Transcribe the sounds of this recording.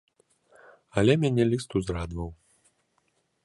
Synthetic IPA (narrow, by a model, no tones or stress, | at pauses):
ɐlʲɛmʲanʲɛlʲist̪uzrad̪vɐw